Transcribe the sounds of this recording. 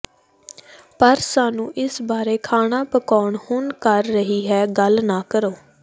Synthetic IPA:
pəɾsaːnũːʔɪsbaːɾeːkʰaːɽaːpəkɔːɳhʊnkəɾːəɦiːɦɛːɡəlnaːkəɾoː

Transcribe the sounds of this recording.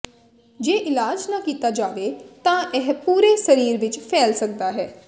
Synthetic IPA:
d͡ʒeːʔɪlaːd͡ʒnakiːt̪aːd͡ʒaːʋeːt̪ãːʔɛɦpuːɾeːsəɾiːɾʋɪt͡ʃpʰɛːlsək̚d̪aːɦɛː

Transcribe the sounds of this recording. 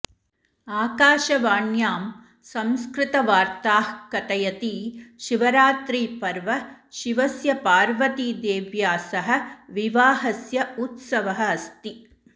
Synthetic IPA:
aːkaːʃɐʋaːɳjaːm | sɐmskɾɪt̪ɐʋaːɾt̪aːhkɐt̪ɐjɐt̪iːʃiʋɐɾaːt̪ɾiːpɐɾʋɐ | ʃiʋɐsjɐpaːɾʋɐt̪id̪eːʋjaːsɐɦɐ̆ʋiʋaːɦɐsjɐut̪sɐʋɐɦɐɐst̪i

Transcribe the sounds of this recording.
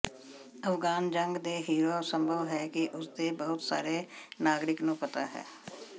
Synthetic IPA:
əfɡaːnd͡ʒəŋɡd̪eːɦiːɾoːsə̃mbʱəʋɦɛːkɪʔʊsd̪eːbəɦʊt̪sa̰ːɾeːnaːɡɾɪknũːpət̪a̰ːɦɛ̰ː

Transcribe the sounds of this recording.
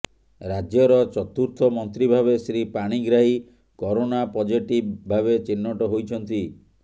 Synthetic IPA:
ɾad͡ʒjɔɾɔt͡ʃɔt̪uɾt̪ʰɔmɔnt̪ɾibʱabesɾipaɽ̃iɡɾaɦi | kɔɾonapɔd͡ʒiʈibbʱabet͡ʃinːɔʈɔɦojt͡ʃʰɔnt̪i

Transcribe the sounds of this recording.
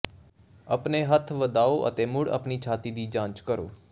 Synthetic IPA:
əpneːɦət̪ʰʋəd̪aːoːʔə̰t̪eːmʊɽə̰pniːt͡ʃʰaːt̪iːd̪iːd͡ʒãːt͡ʃkəɾo̰ː

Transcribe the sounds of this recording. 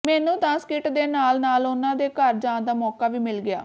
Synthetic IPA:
mɛːnũːt̪ãːskɪʈd̪eːnaːlnaːlʊnãːd̪eːkəɾd͡ʒãːd̪aːmɔːkaːʋiːmɪlɡɪa̰ː

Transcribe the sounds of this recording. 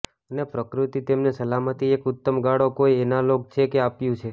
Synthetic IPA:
ənepɾəkɾut̪it̪emnesəlamət̪iekʊt̪ːəmɡaɽokoienalok̚t͡ʃʰekeapjũt͡ʃʰe

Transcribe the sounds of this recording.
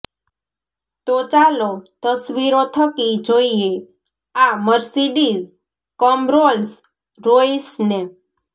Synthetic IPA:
t̪ot͡ʃalot̪əsʋiɾot̪ʰəkid͡ʒoie | aməɾsiɖiz | kɔmɾols | ɾoisne

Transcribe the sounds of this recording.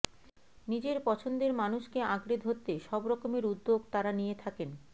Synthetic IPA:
nid͡ʑeɾpɔt͡ɕʰond̪eɾmanuʃkeaɡɾid̪ʱɦot̪ːeʃɔbɾɔkomeɾud̪ːoɡt̪aɾanijet̪ʰaken

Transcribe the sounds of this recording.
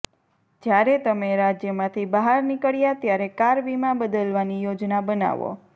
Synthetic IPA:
d͡ʒjaɾet̪əmeɾad͡ʒjəmãt̪ʰibəɦaɾnikəɭjat̪jaɾekaɾʋimãbəd̪əlʋanijod͡ʒnabəna̰ʋo̰

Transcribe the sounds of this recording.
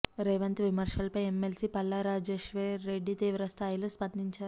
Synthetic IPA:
ɾeʋɐnt̪ʋimɐɾʂɐlɐpɐjemːelsipɐlːɐɾaːd͡ʒeːʂʋeːeɖːit̪iːʋɾɐst̪ʰaːjiloːspɐnd̪iɲt͡ʃaːɾ

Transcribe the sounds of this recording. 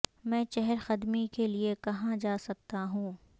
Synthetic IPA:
mɛ̃ːʃɛɦɛɾxɐd̪mikeliekɐɦãd͡ʒaːsɐk̚t̪aɦũː

